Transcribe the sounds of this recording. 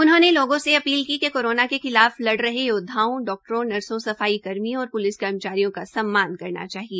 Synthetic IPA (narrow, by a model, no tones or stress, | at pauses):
ʊnɦõneloːɡõseɐpiːlkikekoːɾoːnakexɪlaːflɐɽɾɐɦejod̪ʱːaːõɖɔːk̚ʈɾõnɐɾsõsɐfaːikɐɾmĩɔːɾpʊlɪskɐɾmət͡ʃaːɾijõkasɐmːaːnkɐɾna̰t͡ʃaːɦieː